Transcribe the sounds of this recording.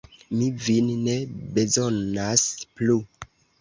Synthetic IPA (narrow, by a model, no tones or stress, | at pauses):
mivinne̞be̞zonasplu